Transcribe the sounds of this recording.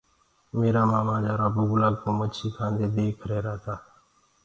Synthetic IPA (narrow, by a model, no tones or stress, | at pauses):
meːɾaːmaːmãːd͡ʒaːɾaːbʊɡlaːɡ̚kõːmət͡ʃʰiːkʰãːnd̪eːd̪eːkʰɾeːɾaːt̪aː